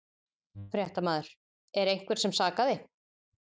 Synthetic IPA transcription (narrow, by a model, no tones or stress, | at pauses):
fɾjɛht̪amaːðʏɾ̥ | ɛɾejŋ̥kvɛɾ̥sɛmsaːkaðɪ